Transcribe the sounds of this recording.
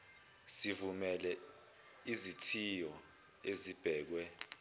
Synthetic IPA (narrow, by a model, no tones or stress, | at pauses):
sivumɛlɛ | izitʰijɔ | ezib̥ʱɛːk̬wɛ